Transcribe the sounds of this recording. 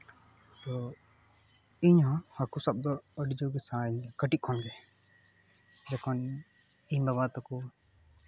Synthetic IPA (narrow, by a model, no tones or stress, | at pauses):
t̪ɔ | iɲɦɔ̃hakusab̚d̪ɔːɖid͡ʒɔɡɛsaiɲkəʈit̪̚kʰɔnɡɛ | d͡ʒɔkʰɔn | iɲbabat̪ɔku